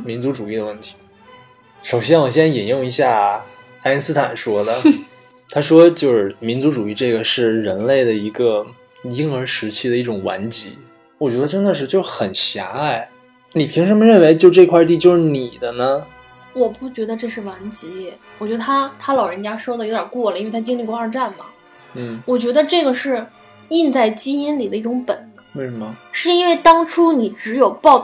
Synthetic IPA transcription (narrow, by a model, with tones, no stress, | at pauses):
mi˧˥nt͡su˧˥ʈ͡ʂu˨˩i˥˩d̪ə˩wə˥˩nt̪ʰi̥˧˥ | ʂo˨˩ʊɕ̬jɛ˥nwɔ˨˩ɕ̬jɛ˥ni˨˩jʊ˥˩ŋi˧˥ɕja˥˩ | a˥ɻi˥nsɹ̩˥t̪ʰa˨˩nʂwɔ˥d̪ə˨ | t̪ʰa˥ʂwɔ˥t͡ɕjo˥˧ʊʂɻ̩˥˩mi˧˥nt͡su˧˥ʈ͡ʂu˨˩i˥˧ʈ͡ʂɤ˥˩ɡə˩ʂɻ̩˥˩ɻə˧˥nle˥˩ɪd̪ə˩i˧˥ɡə˧ | i˥ŋə˞˧˥ʂɻ̩˧˥t͡ɕʰi˥˩d̪ə˩i˥˩ʈ͡ʂʊ˨˩ŋwa̰˧˥nt͡ɕi˧˥ | wɔ˨˩t͡ɕɥɛ˧˥d̪ə˧ʈ͡ʂə˥nd̪ə˨˧ʂɻ̩˥˧t͡ɕjo˥˧ʂxə˨˩nɕja̰˧˥a˥˩ɪ | ni˨˩pʰi˧˥ŋʂə˧˥mə˧ɻə˥˩nwe˧˥ɪt͡ɕjo˥˧ʊʈ͡ʂɤ˥˧kʰwa˥˧t̪̬i˥˧t͡ɕjo˥˧ʊʂɻ̩˥˩ni˨˩d̪ə˦nə˧˩ | wɔ˨˩pu˥˩t͡ɕɥɛ˧˥d̪ə˧ʈ͡ʂɤ˥˧ʂɻ̩˥˩wa˧˥nt͡ɕi˧˥wt͡ɕɥɛ˧˥d̪ə˧˩t̪ʰa˥t̪ʰa˥lɑ˨˩ʊɻə˧˥nt͡ɕja˥ʂwɔ˥d̪ə˨jo˧˥ʊt̪ʲɑ̰˨˩kwɔ˥˩lə˨˩i˥n˥e˥˧˩t̪ʰa˥t͡ɕi˥ŋli˥˩kwa˞˥˧ʈ͡ʂa˥˩nmɐ̰˩ | n̩˥˩wɔ˨˩t͡ɕɥɛ˧˥d̪ə˧ʈ͡ʂɤ˥˩ɡə˩ʂɻ̩˥˧ | i˥˧nt͡sa˥˩ɪt͡ɕi˥i˥nli˨˩d̪ə˦i˥˩ʈ͡ʂʊ˧˥ŋpə˨˩˦n | wwe˥˩ɪʂə˧˥mə˧ʂɻ̩˥˧i˥nwe˥˩ɪt̪ɑ˥ŋʈ͡ʂʰu˥ni˨˩ʈ͡ʂɻ̩˧˥jo˨˩ʊpɑ˥˧ʊ